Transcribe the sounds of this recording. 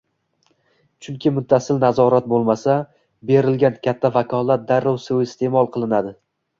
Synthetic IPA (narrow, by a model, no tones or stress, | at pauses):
t͡ʃʰʊŋkʲʰɪmʊt̪ʰːasɪlnazɒɾat̪̚bolˠmasa | be̞ɾɪlɡʲankʲʰat̪ʰːavakʰɒlˠat̪̚d̪aɾːɒwsɪɪst̪ʰe̞mɒlˠqʰɨlˠɪnad̪ɪ